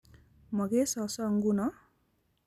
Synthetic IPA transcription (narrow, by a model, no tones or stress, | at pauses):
mʌɡesʌsʌŋɡunʌ